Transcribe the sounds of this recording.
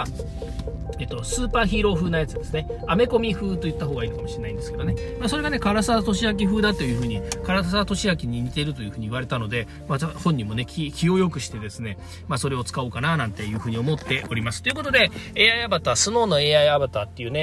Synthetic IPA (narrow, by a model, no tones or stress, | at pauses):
e̞ːt̪ːo̞sɨːpaːçiːɾo̞ːɸɯːnajat͡sɨd̪e̞sɨne̞ame̞ko̞mʲiɸɯ̟ːt̪o̞jɯ̟t̪ːaɦo̞ːɡaiːnokamo̞ɕiɾe̞naĩnd̪e̞sɨ̥ke̞d̪o̞ne̞maːsoɾe̞ɡane̞kaɾasaːt̪o̞ɕiak̬ʲiɸɯ̟ːd̪at̪o̞jɯ̟ːɸɯ̟ːɲ̟ikaɾas̬at̪o̞ɕiakʲiɲ̟imʲit̪e̞ɾɯ̟t̪o̞jɯ̟ːɸɯ̟ːɲ̟iːβaɾe̞t̪ano̞d̪e̞ | maahõ̞ɲ̟ːimo̞ne̞kʲikʲio̞jo̞kɯ̟ɕi̥t̪e̞d̪e̞sɨne̞ | maːso̞ɾe̞o̞t͡sɨ̥kao̞kananãnt̪e̞jɯ̟ːɸɯ̟ːɲ̟io̞mo̞t̪ːe̞ʔo̞ɾʲimasɨ̥t̪oiɯ̟ko̞t̪o̞d̪e̞e̞ːaiabat̪asɨno̞ːno̞e̞ːaiabat̪at̪ːe̞jɯ̟ːne̞